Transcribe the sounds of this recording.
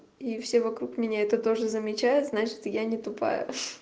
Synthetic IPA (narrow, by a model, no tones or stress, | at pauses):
ifsʲe̞vɐkɾukmʲɪnʲaɛt̪ət̪o̞ʐɨzəmʲɪt͡ɕajʊt̪znat͡ɕɪ̥t̪janʲɪt̪ʊpa̰jʊ̰